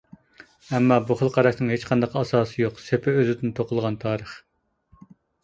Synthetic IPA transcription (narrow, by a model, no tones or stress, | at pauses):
ɛmːɑːbuχəlˠqʰɑɾɑʃnɨŋɦet͡ʃqʰɑnd̪ɑqʰɑsɑːsɨjoqsepʰɪøzɪd̪ɪnt̪ʰoqʰʊlˠʁɑnt̪ʰɑːɾəχ